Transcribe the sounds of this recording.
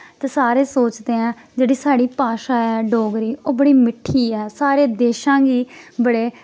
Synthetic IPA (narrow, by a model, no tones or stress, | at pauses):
t̪eːsaːɾeːsoːt͡ʃd̪eːãː | d͡ʒeːɽiːsaːɽiːpaːʃaːɛːɖoːɡɾiːʔoːbəɽiːmɪʈʰːiːɛːsaːɾeːd̪eːʃãːɡiːbəɽeː